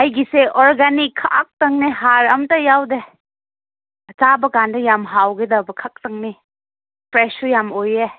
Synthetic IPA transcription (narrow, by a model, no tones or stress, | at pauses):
ɐjɡiseɔɾɡanikʰːak̚tɐŋneɦaɾɐmtɐjawde | tabɐkandɐjamɦawɡedɐbɐkʰak̚tɐŋni | pʰɾesujamoje